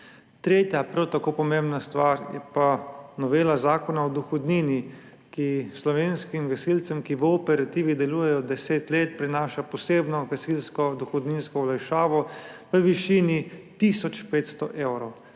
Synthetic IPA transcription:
t̪ɾeːt̪japɾawt̪akoːpɔmembnast̪ʋaɾjɛ̰panɔʋeːlazaːkɔnaɔd̪ɔxɔd̪niːni | kislɔʋeːnskimɡɐsilt̪sɛmkiʋəɔpɛɾat̪iːʋid̪ɛluːjɛjɔd̪ɛseːt̪leːt̪pɾinaːʃapɔseːbnɔɡɛsilskɔd̪ɔxɔd̪ninskɔwlajʃaːʋɔʋəʋiʃiːnit̪isɔt͡ʃpeːt̪st̪ɔʔeːwɾɔw

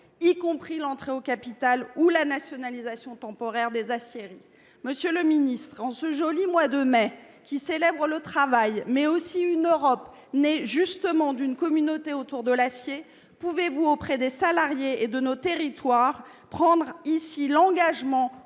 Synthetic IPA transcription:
ikɔ̃pχilɑ̃t̪χeokapit̪alulanasjɔnalizasjɔ̃t̪ɑ̃pɔʁɛʁd̪ezasjeʁi | məsjøləminist̪χɑ̃səʒɔlimwad̪əmɛ | kʲiselɛbʁələt̪χavajmɛosiynøʁɔp | nɛʒyst̪əmɑ̃d̪ynkɔmynot̪eot̪uʁd̪əlasje | puvevuopχɛd̪esalaʁjeed̪ənot̪eʁit̪waʁ | pχɑ̃d̪ʁisilɑ̃ɡaʒmɑ̃

